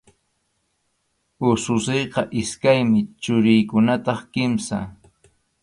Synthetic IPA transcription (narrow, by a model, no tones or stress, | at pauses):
ʊsʊsejqɑʔɪskajmɪt͡ʃʊɾɪjkʊnat̪ɑχkɪmsa̰